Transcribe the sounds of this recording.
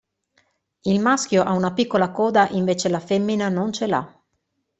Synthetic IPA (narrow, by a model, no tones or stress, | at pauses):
ilmaskjoʔaunapikːolakɔːd̪aʔiɱveːt͡ʃelafemːinanont͡ʃela̰